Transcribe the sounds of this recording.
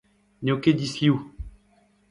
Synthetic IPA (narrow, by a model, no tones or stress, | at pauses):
nʲoked̪isliu